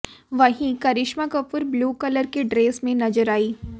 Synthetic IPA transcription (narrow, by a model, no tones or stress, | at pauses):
ʋɐɦĩkɐɾɪʃmakɐpʊɾbluːkɐləɾkeɖɾeːsmẽnɐd͡ʒəɾaːiː